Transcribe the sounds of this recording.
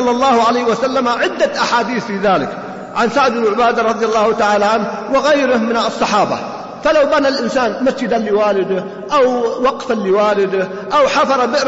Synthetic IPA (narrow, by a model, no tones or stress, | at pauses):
lːɑlˤːɑːhʊʕalajhwasalːamaʕɪd̪ːaʔaħaːd̪iːθfiːðaːlɪk | ʕansaʕd̪ɪbʕʊbaːd̪aɾˤɑd̪ˤjalˤːɑːhʊt̪aʕaːlaʕanh | wɪɣajɾɪhmɪnɑsˤːɑħɑːba̰ | falawbanalʔɪnsaːnmasd͡ʒɪd̪alɪwaːlɪd̪ | ʔawwɑqfalːɪwaːlɪd̪ɪ | ʔawħafɑɾˤɑbɪʔɾ